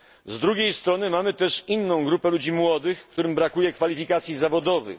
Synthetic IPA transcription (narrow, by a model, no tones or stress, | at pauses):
zd̪ɾuɡʲejst̪ɾɔnɘmamɘt̪ɛʂinːɔ̃w̃ɡɾupɛlud͡ʑimwɔd̪ɘxkt̪uɾɘmbɾakujɛkfalʲifʲikat̪sʲjizavɔd̪ɔvɘ̰x